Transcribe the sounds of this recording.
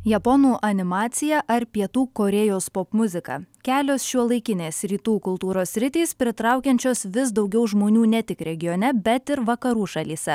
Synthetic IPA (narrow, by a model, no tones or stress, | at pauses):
jɛpɔnuːʔɐnʲɪmɑːt̪sʲɪjɛʔɐɾpʲiɛt̪uːkoːɾʲɛjoːspopmʊzʲɪkɑ̰kʲæːlʲoːsʃʲuɔlˠɐɪkʲɪnʲeːsɾʲiːt̪uːkʊlˠt̪uːɾoːsʲːɾʲɪt̪ʲiːspʲɾʲɪt̪ɾɑˑʊkʲɛnʲt͡ʃʲoːsʋʲɪsd̪ɒʊɡʲɛʊʒmoːnʲuːnʲɛt̪ʲɪkɾʲɛɡʲɪjoːnʲɛbʲɛt̪ɪɾʋɐkɐɾuːʃɐlʲiːsʲɛ